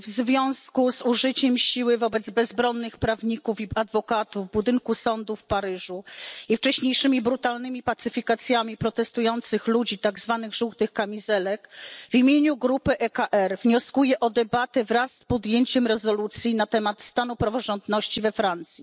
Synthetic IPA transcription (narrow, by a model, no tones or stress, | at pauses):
vzvʲjɔ̃w̃skuzuʐɘt͡ɕɛmɕiwɘvɔbɛd̪zbɛzbɾɔnːɘxpɾavɲikufiad̪vɔkat̪uvbud̪ɘŋkusɔnd̪ufpaɾɘʐuift͡ʂɛɕɲejʂɘmʲibɾut̪alnɘmʲipat̪sɘfʲikat̪sʲjamʲipɾɔt̪ɛst̪ujɔnt̪sɘxlud͡ʑit̪aɡzvanɘɣʐuwt̪ɘxkamʲizɛlɛkvimʲjeɲuɡɾupɘʔɛkaʔɛɾvɲɔskujɛʔɔd̪ɛbat̪ɛvɾasːpɔd̪jeɲt͡ɕɛmɾɛzɔlut̪sʲjinat̪ɛmat̪st̪anupɾavɔʐɔnd̪nɔɕt͡ɕivɛfɾant̪sʲji